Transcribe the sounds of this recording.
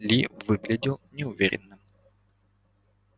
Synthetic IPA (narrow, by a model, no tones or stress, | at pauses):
lʲivɨɡlʲɪdʲɪlˠnʲɪʊvʲḛɾʲɪ̰nːɨm